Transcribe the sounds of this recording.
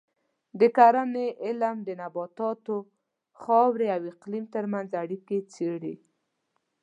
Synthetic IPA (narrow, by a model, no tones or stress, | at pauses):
d̪əkaɾaneʔɪlmd̪ənabɑt̪ɑt̪o | xɑwɾeawɪqlimt̪əɾmanzaɽiket͡seɽe